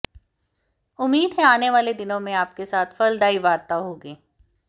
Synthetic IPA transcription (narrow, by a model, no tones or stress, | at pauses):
ʊmːiːd̪ɦɛ̃aːneʋaːled̪ɪnõmẽaːpkesaːt̪ʰfɐld̪aːiʋaːɾt̪aɦoːɡeː